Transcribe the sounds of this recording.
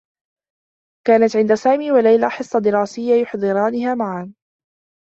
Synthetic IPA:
kaːnat̪ʕɪnd̪asaːmiːwalajlaħɨsˤːɑd̪ɪɾˤɑːsɪjːajʊħd̪ˤɨɾˤaːnɪhaːmaʕan

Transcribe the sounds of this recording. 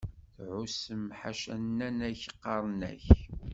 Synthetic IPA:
θʕusəmħaʃænːænæçqːɑɾˤnæ̰ç

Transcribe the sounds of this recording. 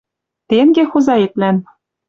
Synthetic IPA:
t̪eŋɡexozɑet̪læn

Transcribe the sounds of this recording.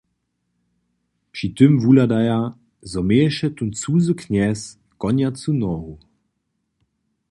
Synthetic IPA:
pʃitʏmvuladaja | zɔmeːʃətunt͡suːzəkʰnɛs | kɔnjat͡sunɔʁu

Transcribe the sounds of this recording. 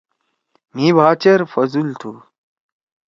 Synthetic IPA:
mĩːbʱaːt͡ɕɐɾfɐzult̪ʰu

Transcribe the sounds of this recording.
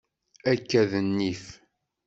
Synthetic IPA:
ækːæðənːif

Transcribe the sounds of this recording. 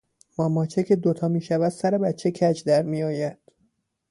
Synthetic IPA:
mɒːmɒːt͡ʃʰecʰe̞d̪o̞t̪ʰɒːmiːʃævæd̪sæɾe̞bæt̪t͡ʃʰːecʰæd͡ʒd̪æɾmiːjɒːjæd̪̥

